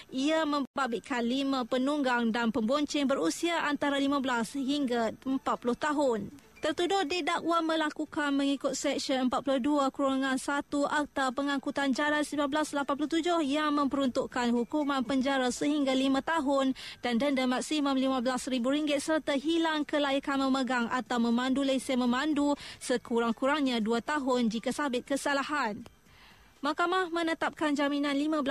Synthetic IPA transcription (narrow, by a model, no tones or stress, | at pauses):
ʔiamə̃mbabiʔkʰanlimãpənuŋɡaŋdanpəmbɔɲt͡ʃɪŋbəɾusiaʔant̪aɾalimãbəlasɦiŋɡaəmpat̪̚pulʊht̪aɦʊnt̪ərt̪udʊhdidaʔwamə̃lakukanməŋikʊt̪̚sɛk̚sənəmpat̪̚pulʊhduakuɾaŋãnsat̪uʔat̪awpəŋãŋkut̪and͡ʒalansimãblaslapanpulʊht̪ud͡ʒʊhjaŋmə̃mpəɾunt̪ʊʔkanhukumãnpəɲd͡ʒaɾasəɦiŋɡalimãt̪aɦʊndandəndəmak̚siməmlimãbəlasɾibuɾiŋɡɪt̪̚sərt̪aɦilaŋkəlaikanmə̃məɡaŋa̰t̪awmə̃mãndulesəmə̃mãndusəkuɾaŋkuɾaŋɲãduat̪aɦʊnd͡ʒikasabɪt̪̚kəsalaɦan | makamahmə̃nət̪ap̚kand͡ʒaminãnlimãbəl